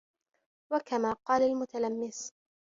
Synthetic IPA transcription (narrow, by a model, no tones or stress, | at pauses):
wakamaːqɑːlalmʊt̪alamːɪs